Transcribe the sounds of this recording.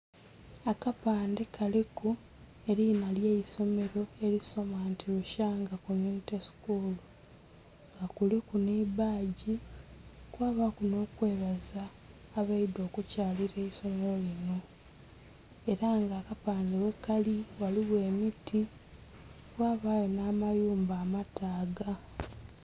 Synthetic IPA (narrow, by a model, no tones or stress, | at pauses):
akapaːnde̞kʰaliku | e̞ɾinaljeiso̞me̞ɾo̞e̞ɾiso̞maːntiluʃaːŋɡakomuniteskulu | ŋɡakulikunibaːɟi | kwaːβakuno̞ːkwe̞ːβazaː | βaido̞ːkucaːliɾe̞iso̞me̞ɾo̞lino̞ | e̞ɾaŋɡaːkapaːndewe̞kːaliwaliɣwe̞ːmitʰi | kwaːβajonaːmajuːmbaːmataːɡa